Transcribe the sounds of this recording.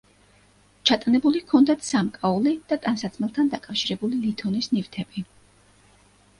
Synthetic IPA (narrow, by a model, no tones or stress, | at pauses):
t͡ʃʰat̪ʼanɛbulikʰɔnd̪at̪ʰsamkʼaulid̪̥at̪ʼansat̪sʰmɛlˠt̪ʰand̪akʼafʃiɾɛbulilit̪ʰɔnisnivt̪ʰɛbi